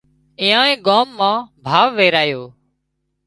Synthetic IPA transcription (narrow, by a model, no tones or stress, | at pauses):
ɪ̃ːãːẽːɠaːmːãːbʱaːʋʋeːɾaːjoː